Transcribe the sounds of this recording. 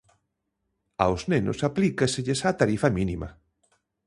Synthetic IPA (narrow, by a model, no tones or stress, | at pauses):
a̰wznenʊ̰saplikasɪʎesat̪aɾifɐminimɐ